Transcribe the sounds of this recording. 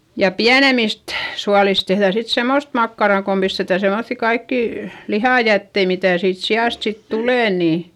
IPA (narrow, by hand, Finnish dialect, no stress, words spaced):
jɑ piænemist suɑlis tehðæˑ sit semːost mɑkːɑrɑˑ kom pistetæ semoθːi kɑikːiˑ lihɑˑjætːei mitæˑ siːt siɑˑst sit tuleˑ niˑ